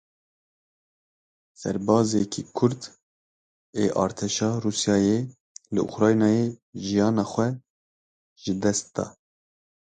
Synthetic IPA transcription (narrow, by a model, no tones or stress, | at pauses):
sɛ̰ɾbɑːzɛkʰikʰʊɾd̪ | eʔɑ̰ːɾt̪ʰɛʃɑːruːsjɑːje | lɨʔʊ̰xɾɑːjnɑːjeʒijɑːnɑːxʷɛ | ʒ̥ɨd̪ɛst̪̚d̪̥ɑ̰ː